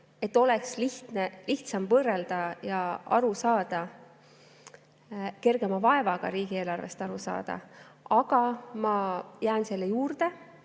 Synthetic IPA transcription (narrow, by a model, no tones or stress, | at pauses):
e̞t̪ːo̞lɛksliht̪neliht̪sɑmvɤːreld̪̥ɑjɑɑ̰ɾusɑːd̪̥ɑ | ke̞rɡ̥e̞mɑvɑe̞vɑɡ̥ɑ̰ɾiːɡ̥ie̞ːlɑrve̞̰st̪ɑɾusɑ̰ːd̪̥ɑ̰ɑɡ̥ɑmɑjæːnse̞lːejuːrd̪̥e̞